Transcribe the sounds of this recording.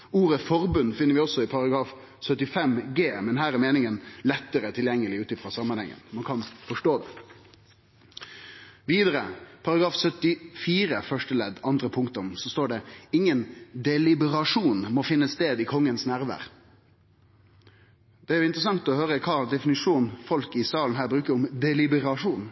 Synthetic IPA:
uːɾəfɔɾbʉnːfɪnːəɾʋɪɔsɔɪpʰɑɾɑɡɾɑːf | sœt̪ːɪfɛmɡeːmɛnɦæːɾɛɾmeːnɪŋənlɛt̪ːəɾət̪ʰɪljɛŋːəlɪʉːt̪ɪfʁɑsɑmːɑnhɛ̰ŋːə̰nmɑnkʰɑnfɔʂʈoːd̪ɛ̰ | ʋiːd̪əɾəpʰɑɾɑɡɾɑːfsœt̪ɪfiːɾəfœʂʈəlɛd̪ɑnd̪ɾəpʰʊŋk̚t̪ɔmsɔst̪oːɖɛɪŋːənd̪ɛlɪbəɾɑʂuːnmɔfɪnːəst̪eːd̪ɪkʰɔŋːənsnæɾʋæ̰ːɾ | d̪ɛæɾjʊɪnt̪ɾəs̬ɑŋt̪ɔhøːɾəkʰɑːd̪ɛfɪnɪʂuːnfɔlkɪsɑːln̩ɦæːɾbɾʉːkəʊmd̪ɛlɪbəɾɑʂuːn

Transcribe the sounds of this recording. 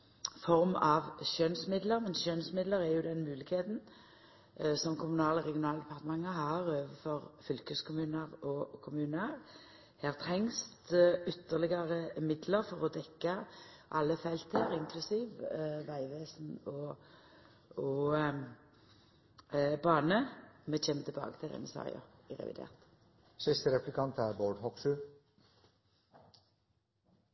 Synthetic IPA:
fɔʁmɑʋʃœnsmɪd̪ləʁmɛnsʃœnsmɪd̪ləʁɛjʊd̪ɛnmʉːlɪkheːt̪n | sɔmkʰʊmʉnɑːləʁɛɡɪʊnɑːləd̪ɛpʰɑʁt̪əmɑŋːəɦɑːʁøːʋəfɔʁfʏlkəskʰʊmʉːnəʁɔkʰʊmʉːnəʁ | heːʁt̪ʰʁɛŋst̪ʏt̪ːəʁlɪɡɑʁəmɪd̪ləʁfɔʁɔd̪ɛkːɑʔɑlːəfɛlt̪eːʁɪŋkʰlʉsiːʋʋæɪʋeːsnɔ | ɔ | bɑːnəmɛːçɛːmət̪ʰɪbɑ̰ːɡə̥t̪ʰɪlɛ̰nːəsɑ̰ːɪɑ̰ɪʁɛ̰ʋɪ̰d̪ḛːʁt̪ | sɪst̪əɾɛplɪkʰɑnt̪æːɾboːɖhɔksʉ

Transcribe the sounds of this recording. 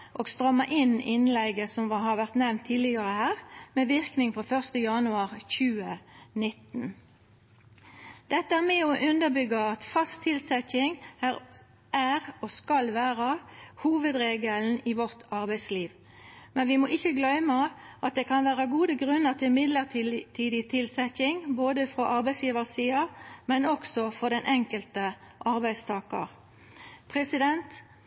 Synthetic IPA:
ʔoːɡst̪ʁœmːəʔɪnɪnlɛɡəsɔmʋɑhɑʋæʁt̪nɛʋnt̪ʰːiːlɪɡɑʁəhæːʁmeːʋɪʁknɪŋfʁoːfœʁst̪əjɑnʉɑʁçʉːənɪt̪ːn | d̪̥ɛt̪ːəæmɛoʔʉnd̪əbʏɡəɑt̪fɑst̪ʰɪlsɛçɪŋæʁ | ʔæʁoskɑlʋæːʁəhuːʋəd̪ɾeːɡəln̩iʋɔʁt̪ɑʁbæɪsliːʋ | mɛnʋɪmɔʔɪçəɡlœʏməʔɑt̪̚d̪ekʰɑnʋæːʁəɡuːd̪əɡʁʉnːəʁt̪ʰɪlmɪd̪ləʁt̪ʰiːd̪ɪt̪ʰɪlsɛçɪŋboːd̪əfɾoʔɑɾbæɪsjiːʋəʁsiːɑmɛnɔksɔfɔʁd̪ɛnʔɛŋkəlt̪əʔɑɾbæɪst̪ʰɑːkə̰ʁ | pʰʁɛsɪd̪ɛnt̪

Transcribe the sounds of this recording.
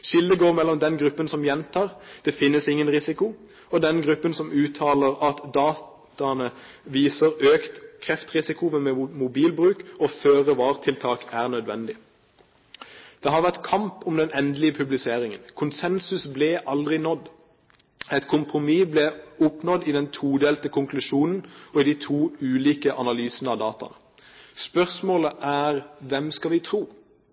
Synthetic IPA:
ʃɪld̪əɡoːʁmɛlːɔmd̪ɛnɡʁʉpːənsɔmjɛnt̪ʰɑːʁd̪̥ɛfɪnːəsɪŋːənʁɪsɪkʊ | ɔd̪ɛnɡʁʉpːənsɔmʉːt̪ʰɑːləʁɑt̪d̪ɑːt̪ | ɑnə | ʋiːsəʁøːkt̪kʰʁɛft̪ʁɪsɪkʊʋəmɛmʊbiːlbʁʉːkɔføːʁəʋɑːʁt̪ʰɪlt̪ʰɑːkæːʁnœd̪ʋɛnd̪ɪ | d̪̥ɛhɑʁʋæʁt̪kʰɑmpʊmd̪ɛnɛnd̪lɪəpʰʉblɪseːʁɪŋənkʰʊnsɛnsʉsblɛʔɑld̪ʁɪnɔd̪ | ɛt̪kʰʊmpʁʊmiːblɛʊpnɔd̪ɪd̪ɛnt̪ʰuːd̪eːlt̪əkʰʊŋklʉʃuːnn̩ɔɪd̪iːt̪ʰuːʉːliːkəʔɑnɑlyːsənəɑʋd̪ɑːt̪ɑ̰nə | spœʁsmoːləʔæːʁʋɛmskɑʋɪt̪ʰʁuː

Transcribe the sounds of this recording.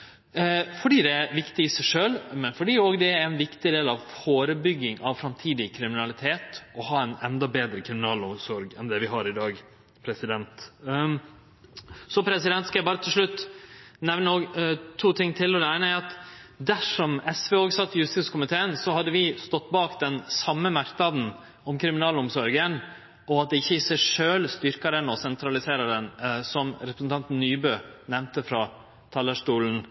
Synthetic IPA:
fɔɖiːd̪ɛæʋɪkt̪ɪɪsæɪʂøːlmɛnfɔɖiːoːɡd̪ɛæɾɾæɪnʋɪkt̪ɪd̪eːlɑʋfoːɾəbʏɡːɪŋʔɑʋsɾɑmt̪ʰiːd̪ɪkʰɾɪmɪnɑlɪt̪ʰeːt̪ɔhɑːɛnɛnd̪ɑbeːd̪ɾəkʰɾɪmɪnɑːlʊmsɔɾɡɛnd̪ɛʋɪɦɑɾɪd̪ɑːɡ | pʰɾɛsɪd̪ɛnt̪ | sɔpʰɾɛsɪd̪ɛnt̪skɑjæɪbɑːɾət̪ʰɪlʂɭʉt̪ːnɛʋnəoːɡt̪ʰuːt̪ʰɪŋːt̪ʰɪlːɔnæɪnəæɑt̪d̪æʂɔmɛsʋeːoːɡsɑt̪ːjʉst̪ɪskʰʊmɪt̪ʰeːənsɔhɑd̪ːəʋɪst̪ɔt̪ːbɑːkd̪ɛnsɑmːəmɑɾknɑd̪n̩ | ɔmkʰɾɪmɪnɑːlʊmsɔɾɡən | ʔɔɑt̪̚d̪ɛɪçːəɪsæʂøːlst̪ʏɾkɑɾənɔsɛnt̪ʰɾɑlɪseːɾɑɾənsɔmɾɛpɾəsn̩t̪ʰɑnt̪n̩ːyːbøːnɛʋnt̪əfɾɑː | t̪ʰɑlːəʂtuːln̩

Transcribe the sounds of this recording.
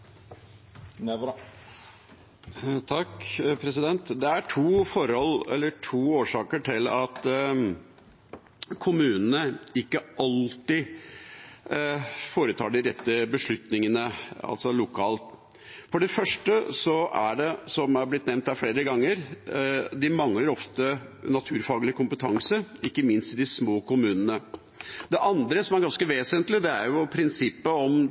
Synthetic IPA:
t̪ʰɑkpʰɾɛsɪd̪ɛnt̪d̪ɛæʈʰuːfɔɾɔlɛ̰lːəʈʰuːoːʂɑːkəʈʰɪlɑt̪ | kʰʊmʉːnn̩əɪkːəʔɑlt̪ɪ | foːɾət̪ʰɑːɖɪɾɛt̪ːəbəʂɭʉt̪nɪŋənəɑ̰lsɔlʊkʰɑːlt̪ | fɔɖɛfœʂʈəsɔæ̰ɖɛsɔmæɾblɪt̪nɛʋnt̪hæɾflɽeːɾəɡɑŋːəɾ | d̪ɪmɑŋləɾɔft̪ənɑt̪ʰʉːɾfɑːɡlɪkʰʊmpət̪ʰɑŋsəɪkːəmɪnst̪ɪd̪ɪsmoːkʰʊmʉːnənə | d̪ɛʔɑnd̪ɾəsɔmæɾɡɑnskəʋeːsənt̪lɪd̪ɛæɾjʊpʰɾɪnsɪpːəɔm

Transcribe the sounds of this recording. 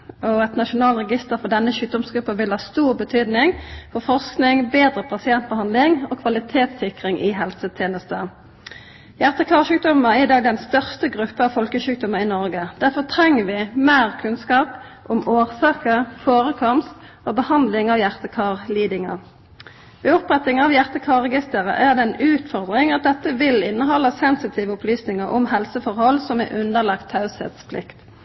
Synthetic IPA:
ɔɛt̪nɑʃʊnɑːlʁɛɡɪst̪əʁfɔd̪ɛnːəʃʉːk̚d̪ɔmsɡʁʉpːəʋɪlhɑːst̪uːʁbət̪ʰyːd̪nɪŋfɔfɔʁsknɪŋbeːd̪ʁəpʰɑsɪɛnt̪̚bəhɑnd̪lɪŋɔkʰʋɑlɪt̪ʰeːt̪sɪkʁɪŋʔɪɦɛlsət̪ʰjeːnəst̪ə | jæʁt̪əkʰɑːʁʃʉːk̚d̪ɔməʁɪd̪ɑːɡd̪ɛnst̪œʁst̪əɡʁʉpːəɑʋfɔlkəʃʉːk̚d̪ɔməʁɪnɔʁɡəd̪̥æʁfɔʁt̪ʰʁɛŋːəʋɪmeːʁkʰʉnskɑːpʔʊmoːʁsɑːkəʁfoːʁəkʰɔmst̪ | oːbəhɑnd̪lɪŋɑʋjæʁt̪əkʰɑːʁliːd̪ɪŋə̰ | ʋɛːʊpʁɛt̪ɪŋɑʋjæʁt̪əkʰɑːʁɛɡɪst̪əʁə̰ʔæʁd̪ɛɛnʉːt̪fɔʁd̪ʁɪŋɑt̪̚d̪ɛt̪ːəʋɪlɪnːəɦɔlːəsɛnsɪt̪ʰiːʋəʊplyːsnɪŋəʁʔʊ̰mhɛlsəfɔʁhɔlsɔmɛ̰ʔʉnd̪əʁlɑkt̪ʰhɑʉshɛ̰ːt̪spʰlɪ̰kt̪

